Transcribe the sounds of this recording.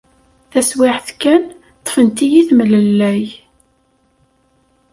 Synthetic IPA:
θæswɪħθkːæn | t̪ˤːə̥fənt̪ijiθmələlːæj

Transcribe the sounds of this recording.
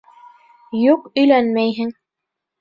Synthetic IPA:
juqɵ̆jlænmæjɦɘŋ

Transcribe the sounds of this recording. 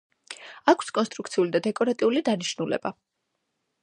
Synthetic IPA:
akʰskʼɔnst̪ʼɾuk̚ʰt̪sʰiulid̪ad̪ɛkʼɔɾat̪ʼiulid̪aniʃnulɛ̰ba

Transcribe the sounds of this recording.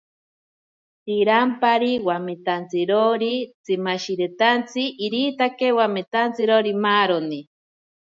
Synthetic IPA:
t̪iɾampaɾiwamit̪ant͡siɾoɾit͡simaʃiɾet̪ant͡sʰiʔiɾiːt̪akewamet̪ant͡siɾoɾimaːɾoni

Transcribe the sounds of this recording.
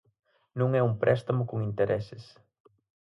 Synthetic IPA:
nũŋɛumpɾʔɛst̪amʊkoŋint̪eɾʔɛsɪs

